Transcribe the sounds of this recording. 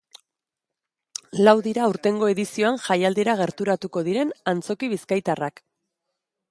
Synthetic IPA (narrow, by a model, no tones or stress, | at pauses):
lawðiɾauɾt̪e̞ŋɡo̞e̞ðisio̞anxajald̪iɾaɣ̞e̞ɾt̪uɾat̪uko̞ðiɾe̞nant͡so̞kiβiskajt̪arak